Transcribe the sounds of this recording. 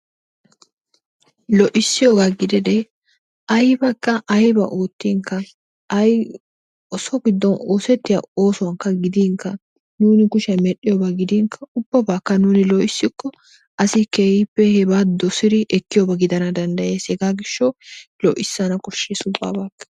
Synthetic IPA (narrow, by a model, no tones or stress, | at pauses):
lɔʔɪsːɪjoːɡaːɡɪd̪ɛd̪ɛ | ɐjbɐkːɐʔɐjbɐ̰ʔoːt̪ːiːŋkːɐ | ʔɐj | ɔsɔɡɪd̪ːɔnoːsɛt̪ːɪjɐ̰oːsʊwɐŋkːɐɡɪd̪iːŋkːɐ | nuːnɪkʊʃɛmɛɗːɪjɔbɐɡɪd̪iːŋkʰɐʊbːɐbaːkːɐnuːnɪlɔʔɪsːɪkːɔ | ɐsɪkeːhɪpːɛhɛbaːd̪ɔsɪd̪ɪʔɛkːɪjɔbɐɡɪd̪ɐnɐd̪ɐnd̪ɐjeːshɛɡaːɡɪʃːɔlɔʔɪsːɐnɐkʼʊʃːeːsʊbʼːa̰ːbaːkːɐ